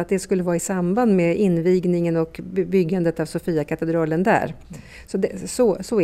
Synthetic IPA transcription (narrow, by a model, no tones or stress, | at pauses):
at̪̚d̪ɛskɵlːəvɑːɾaɪsamband̪meʔɪnːviːɡnɪŋənɔkbʏɡːand̪ət̪avsɔfiːakʰat̪ɛd̪ɾɑːlənd̪æ̰ːɾ | sɔd̪ɛsɔsɔ